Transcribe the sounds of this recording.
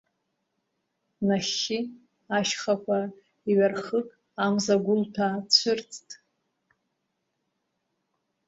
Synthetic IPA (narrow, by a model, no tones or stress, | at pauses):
naʃi | aʃχakʷʰa | iɥarχəkʼ | amzaɡʷʊltʰaːt͡ɕʷʰɨrt͡sʰʼtʼ